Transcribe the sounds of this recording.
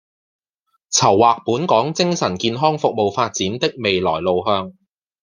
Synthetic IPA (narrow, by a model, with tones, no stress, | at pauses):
t͡sʰɐ˨˩wːaː˨k̚puː˨˥nkɔː˨˥ŋt͡sɪ˥ŋsɐ˨˩nkiː˧nɦɔː˥ŋfʊ˨k̚mo˨wfaː˧t̚t͡siː˨˥nt̪ɪ˥k̚me˨jlɔː˨˩jlo˨wɦœː˧ŋ